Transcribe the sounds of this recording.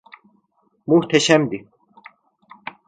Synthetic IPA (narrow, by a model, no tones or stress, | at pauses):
muht̪ʰɛʃæmd̪i